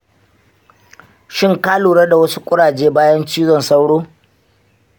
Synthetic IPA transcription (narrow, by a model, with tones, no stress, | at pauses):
ʃɪ˦ŋkaː˦luː˨ɽɐ˦da˨wɐ˦su˦kʷʼʊ˦ɽaː˨d͡ʒeː˦baː˦jɐ˦nt͡ʃiː˦zɔ˨nsa˦wɽoː˦